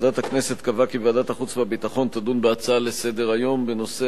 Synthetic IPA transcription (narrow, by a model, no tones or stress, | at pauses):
d̪at̪haknese̞t̪kavakibeadat̪aχut͡sveabit̪aχo̞nt̪ad̪unbeat͡saalesed̪e̞ʁajo̞mbe̞no̞se